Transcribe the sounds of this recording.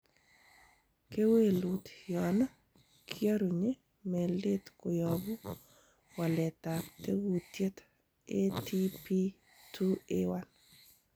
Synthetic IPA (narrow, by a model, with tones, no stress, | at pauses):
ke˦we˦lu˨tjɔ˨na˦ | kʰjɔ˦ɾu˨ɲe˦ | mɛ˨lɪ˦t̪ko˨jɔ˨bu˦ | wa˨lɛ˨t̪a˨te˦wu˨tje˦t̪ | e˦tʰi˦pi˦ | tʰu˦ewa˦n